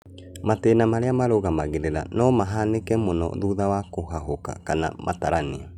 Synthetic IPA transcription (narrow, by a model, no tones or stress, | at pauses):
mateːnamaɾeamaɾoɣamaɣeɾeɾa̰nɔmaɦanekɛmonɔ̰ðuːðawakoɦaɦoka̰kana̰mʔa̰taɾanea